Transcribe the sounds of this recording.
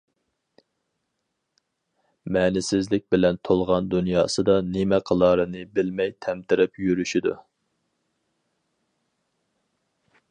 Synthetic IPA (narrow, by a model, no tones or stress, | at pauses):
mɛːnɪsɪzlɪk̚ʲbɪlɛnt̪ʰolˠʁɑnd̪unjɑːsɨd̪ɑnɪmɛqʰəlˠɑːɾɨnɨbɪlmɛjt̪ʰɛmt̪ʰɪɾɪpjyɾyʃid̪ṵ